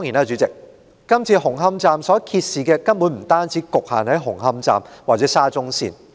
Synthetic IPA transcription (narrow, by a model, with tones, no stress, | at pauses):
t̪ɔ˥ŋi˨˩naː˧t͡ʃyː˨˥t͡sɪ˨k̚ː | ɐ˥mt͡sʰiː˧ɦʊ˨˩ŋɦɐ˥mt͡saː˧msɔː˨˥kʰiː˧t̚siː˨kɛː˧kɐ˥nwu˨˥nm̩˨˩t̪aː˥nt͡siː˨˦˥kʊ˨k̚haː˨nhɐ˨˥jɦʊ˨˩ŋɦɐ˥mt͡sa̰ː˧mwaː˨t̚t͡sɛː˨˥saː˥t͡sʊ˥ŋsḭː˧n